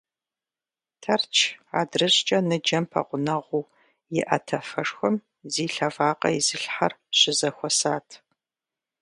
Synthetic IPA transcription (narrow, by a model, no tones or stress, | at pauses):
tʰɐrt͡ʃʰa̰ːdrɨɕʼt͡ʃʼɐnɨd͡ʒɐmpʰɐ̰ʁʷʊnɐʁʷuː | jɪʔɐ̰tʰɐfɐʂxʷɔm | ziːɬɐvaːqɐ̰ɪzɨɬħɐrɕɪzɐxʷɔsaːtʰ